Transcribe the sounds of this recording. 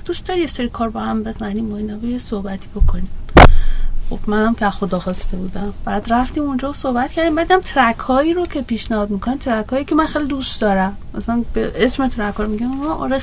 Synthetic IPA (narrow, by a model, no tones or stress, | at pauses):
d̪ust̪d̪ɒːɾijeseɾikʰɒːɾbɒhæmbezmænimːɔinɒbejesohbæt̪ʰiːbo̞kʰonim | xo̞b̥mænæmkʰeæzxo̞d̪ɒːxɒst̪e̞buːd̪æmb̥æːd̪ræft̪iːmund͡ʒɒːsohbæt̪̚cʰæɾd̪imbæd̪inæmt̪ʰɾækʰhɒːiːɾocʰe̞piːʃnæhɒːd̪mikʰonimt̪ʰɾækhɒːjikʲʰemænxelid̪ust̪d̪ɒːɾæm | mæsælænbeʔesmet̪ʰɾækhɒːɾmiɡænnʔɾe